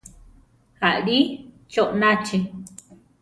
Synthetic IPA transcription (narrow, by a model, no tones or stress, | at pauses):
haɾi | t͡ʃoʔnãt͡ʃi